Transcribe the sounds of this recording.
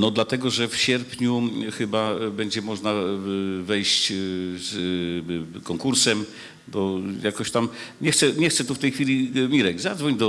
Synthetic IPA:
nɔd̪lat̪ɛɡɔʐɛfɕɛɾpɲuxɘbabɛɲd͡ʑɛmɔʐnavɛjɕt͡ɕz | kɔŋkuɾsɛm | bɔjakɔɕt̪amɲɛxt̪sɛɲɛxt̪sɛt̪uft̪ɛjxfʲilʲimʲiɾɛɡzad̪zvɔɲd̪ɔ

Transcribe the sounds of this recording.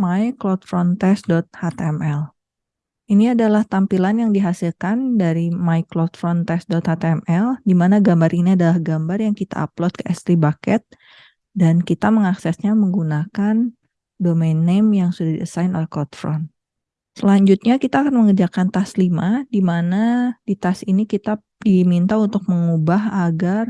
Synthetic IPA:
majklɔt̪̚fɾɔnt̪ɛsdɔt̪̚hat̪ɛmʔɛl | ʔiniadalaht̪ampilanjaŋdiɦasilkandaɾimajklɔt̪̚fɾɔnt̪ɛsdɔt̪hat̪ɛmɛldimanaɡambaɾʔiniadalahɡambarjaŋkit̪a̰a̰plɔt̪̚kəʔɛst̪ɾibakɛt̪̚ | dankit̪aməŋaksɛsɲaməŋɡunakan | domenːɛmjaŋsudahdiasaɪno̰lɛhklɔt̪fɾɔn | səlaɲd͡ʒut̪̚ɲakit̪aːkanməŋəd͡ʒakant̪aslimadimanadit̪asinikit̪a | dimint̪aunt̪ʊk̚məŋubaɦaɡar

